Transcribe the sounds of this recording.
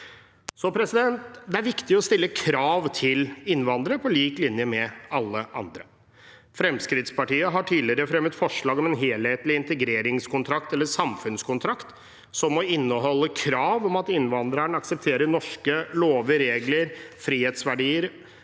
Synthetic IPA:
sɔpʰɾɛsɪd̪ɛnt̪d̪ɛæɾʋɪkt̪ɪɔst̪ɪlːəkʰɾɑːʋt̪ʰɪlɪnːʋɑnd̪əɾəpʰɔliːklɪnjəmɛɑlːəʔɑ̰nd̪ɾə | fɾɛmskɾɪt̪spɑʈiːəɦɑʈʰiːd̪lɪɾəfɾɛmət̪fɔʂɭɑːɡɔmɛnɦeːlheːt̪lɪɪnt̪ɛɡɾeːɾɪŋskʰʊnt̪ʰɾɑkt̪ɛlːəsɑmfʉnskʰʊnt̪ʰɾɑkt̪ | sɔmːɔɪnːəɦɔlːəkʰɾɑːʋɔmɑt̪ɪnːʋɑnd̪ɾəɳɑksəp̚t̪ʰeːɾəɳɔʂkəloːʋəɾeːɡləɾfɾiːheːt̪sʋæɖiːəɾ

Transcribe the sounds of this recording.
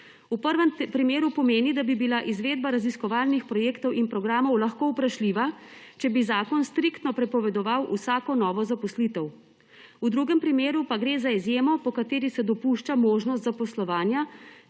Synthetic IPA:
upəɾʋɛmpɾimeːɾupɔmeːnid̪abibilaʔizʋeːd̪̚baɾaziskɔʋaːlnixpɾɔjeːkt̪ɔwʔinpɾɔɡɾaːmɔwlaxkoːupɾaʃliːʋat͡ʃɛbizaːkɔnst̪ɾikt̪nɔpɾɛpɔʋɛd̪ɔʋawʔusaːkɔnɔːʋɔzapɔslit̪ɛw | ud̪ɾuɡɛmpɾimeːɾupaɡɾeːzaizjeːmɔpɔkat̪eːɾisɛd̪ɔpuʃt͡ʃamoːʒnɔs̬t̪zapɔslɔʋaːnja

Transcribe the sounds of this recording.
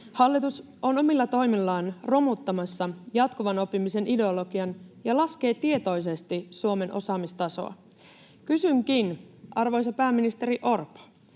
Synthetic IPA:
hɑlːit̪us | o̞no̞milːɑt̪o̞jmilːɑːnro̞mut̪ːɑmɑsːɑjɑt̪kuʋɑno̞pːimise̞nide̞olo̞ɡiɑnjɑlɑske̞ːt̪ie̞t̪o̞js̬e̞st̪isuo̞me̞nʔo̞̰sɑːmist̪ɑso̞̰ɑ̰ | kysyŋkinʔɑrʋo̞jsɑpæːmːinist̪e̞ɾiʔo̞rp

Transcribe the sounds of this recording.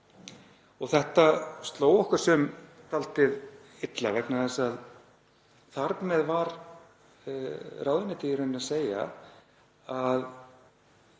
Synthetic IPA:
ɔɣθɛht̪ast̪loːwɔhkʏɾ̥sɛm | t̪ʰalt̪ɪð | ɪt̪lavɛknaθɛsað | θaɾpmɛðvaɾ | raːwðɪnɪt̪ɪjɪɾʏnɪaseːja̰ | að

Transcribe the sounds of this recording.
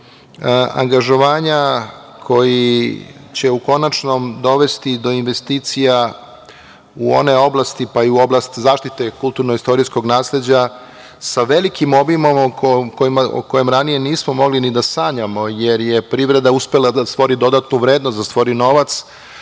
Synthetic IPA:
a̰ŋɡaʒo̞ʋaːɲa | kʰo̞ji | t͡ɕe̞uko̞nat͡ʃno̞md̪o̞ʋe̞st̪id̪o̞inʋe̞st̪iːt̪sija | uo̞̰ne̞o̞blˠast̪ipaiuo̞blˠast̪zaːʃt̪it̪e̞kult̪uɾnoist̪o̞ɾisko̞ɡnaːsle̞d͡ʑa | saʋe̞likimo̞bimomokko̞jimao̰ko̞jemɾanije̞niːsmo̞mo̞ɡlinid̪asaːɲamo̞je̞ɾjepɾiʋɾe̞d̪auspe̞lˠad̪ast̪ʋo̞ɾid̪o̞d̪at̪nuʋɾe̞ːd̪nosd̪ast̪ʋo̞ɾino̞ʋat̪s

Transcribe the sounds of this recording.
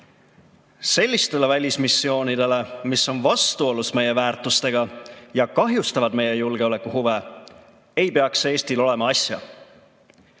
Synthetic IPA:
se̞lʲːist̪e̞le̞vælʲismisːio̞ːnid̪̥e̞le̞misːo̞nvɑst̪uo̞lusme̞je̞væːrt̪ːˑust̪e̞ɡ̥ɑjɑkɑɦjust̪ɑvɑd̪̥me̞je̞julɡ̥e̞o̞le̞kːˑuhuve̞ | e̞jpe̞ɑkse̞ːsʲt̪ilo̞le̞mɑɑsʲjɑ̰

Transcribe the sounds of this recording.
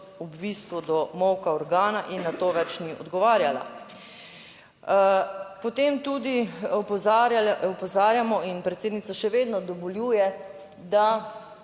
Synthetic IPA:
ubbiːst̪ʋɔd̪ɔmɔwkaɔɾɡaːnaʔinːat̪oːʋɛt͡ʃniʔɔ̰d̪ɡɔʋaːɾjala̰ | pɔt̪eːmt̪ud̪i | ɔpɔzaːɾjamɔinpɾɛt̪seːd̪nitsaʃɛʋeːd̪nɔd̪ɔʋɔljuːjɛ | d̪a

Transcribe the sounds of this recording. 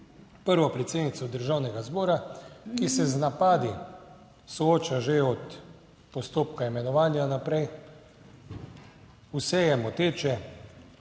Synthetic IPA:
pəɾʋɔpɾɛt̪seːd̪nit̪sɔd̪əɾʒaːwnɛɡazbɔːɾakisɛznapaːd̪i | sɔoːt͡ʃaʒeɔt̪ | pɔst̪oːpkaimɛnɔʋaːnjanapɾɛj | usɛjɛmɔt̪eːt͡ʃɛ

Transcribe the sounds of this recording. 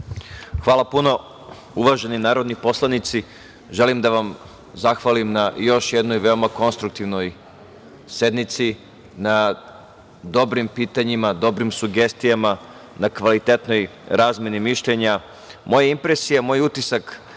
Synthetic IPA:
xʋaːlˠapuno̞ | uʋaʒe̞ninaːɾo̞d̪nipo̞slˠanit̪si | ʒe̞limd̪aʋam | zaxʋalimnajo̞ʃje̞d̪no̞jʋe̞o̞mako̞nst̪ɾuk̚t̪iʋno̞j | se̞d̪nit̪si | na | d̪o̞bɾimpiːt̪aɲimad̪o̞bɾimsuɡe̞st̪ijama | nakʋalit̪et̪no̞jɾaːzme̞nimiʃʎe̞ɲa | mo̞jaimpɾesijamo̞jut̪isak

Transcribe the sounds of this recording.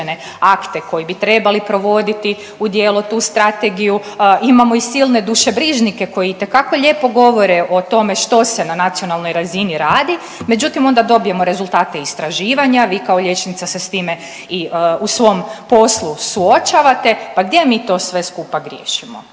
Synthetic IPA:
ene̞ | akt̪e̞ko̞jibit̪ɾe̞balipɾo̞ʋo̞d̪it̪i | ud̪jeːlot̪uːst̪ɾat̪eɡijuimamo̞isilne̞d̪uʃe̞bɾiʒnike̞ko̞jit̪e̞kako̞ʎe̞ːpo̞ɡo̞ʋo̞ɾeʔo̞t̪o̞me̞ʃt̪o̞se̞nanat̪sio̞nalˠno̞jɾaziniɾaːd̪i | me̞d͡ʒut̪imo̞nd̪ad̪o̞bije̞mo̞ɾe̞zulˠt̪aːt̪e̞ist̪ɾaʒiːʋaɲaʋiːkao̞ʎe̞t͡ʃnit̪sasest̪iːme̞ | iusʋo̞mpo̞slˠusuo̞t͡ʃaʋat̪e̞paɡd̪je̞miːt̪o̞ːsʋe̞skupaɡɾjḛːʃimo̰

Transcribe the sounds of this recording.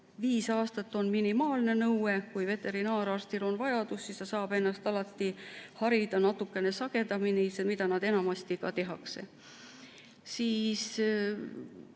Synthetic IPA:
viːsɑːst̪ɑt̪ːˑo̞nminimɑːlne̞nɤwe̞kujve̞t̪ːe̞ɾinɑːɾɑːrst̪ilo̞nvɑjɑd̪̥usːist̪ɑsɑːb̥e̞nːɑst̪ɑlɑt̪ːihɑɾid̪̥ɑnɑt̪ːukːˑe̞ne̞sɑɡ̥e̞d̪ɑminisemid̪̥ɑnɑd̪e̞nɑmɑst̪ikɑ̰t̪e̞ɦɑkse̞̰ | siːs

